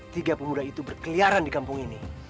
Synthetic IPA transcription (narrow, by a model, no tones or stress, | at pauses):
t̪iɡapəmudait̪ubərkəliaɾandikampuŋini